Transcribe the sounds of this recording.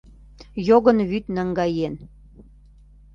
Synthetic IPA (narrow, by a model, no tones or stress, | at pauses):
joɣənβyt̪nəŋɡɑjen